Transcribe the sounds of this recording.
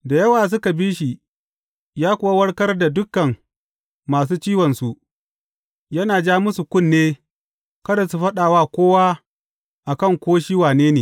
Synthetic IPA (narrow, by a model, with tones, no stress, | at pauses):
da˨jɐ˦waː˨s̬ʊ˦ka˨biː˦ʃi˨ | jaː˦kʷʊ˨wa˦wɐ˦ɽkɐ˦rda˨dʊ˦kːɐ˨mː | aː˨s̬uː˦t͡ʃiː˦wɐ˨nsu˨ʔ | jɐ˦naː˨d͡ʒaː˦mʊ˦su˨kʷʊ˦˨nːeː˦ | kɐ˦da˨su˨ɸɐ˦ɗaː˨waː˦kʷoː˦waː˦ | ʔa˨kɐ˦˨ŋkʷoː˦ʃiː˦waː˨neː˦neː˨